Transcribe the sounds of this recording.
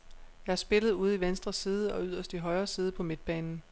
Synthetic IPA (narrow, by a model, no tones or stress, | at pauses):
jɑ̈ɪæɐsb̥e̝ləð̞̩ˠuːð̞̰̩ˠiʋensd̥ʁɐsiːð̞ˠəɒ̽yð̰ˠɐsd̥iɦɒ̽ɪɐːsiːð̞ˠəpʰɒ̽me̝d̥̚b̥ɛːnn̩